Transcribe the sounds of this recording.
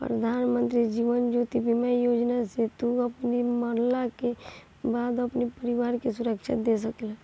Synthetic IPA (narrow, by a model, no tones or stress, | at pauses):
pɾəd̪ʱaːnmə̃nt̪ɾid͡ʒiːʋənd͡ʒot̪ibʱimaijod͡ʒnaset̪uəpniməɾlake | baːd̪əpnipəɾiʋaɾkesʊɾəkʃʰɪ̰t̪̚d̪es̬əkela